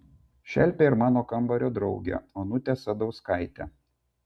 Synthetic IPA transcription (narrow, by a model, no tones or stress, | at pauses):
ʃʲɛlʲpʲeɪɾmɑːnoːkɐmbɐɾʲoːd̪ɾɒʊɡʲɛ̰oːnʊt̪ʲɛsɐd̪ɒʊskɐɪt̪ʲæ̰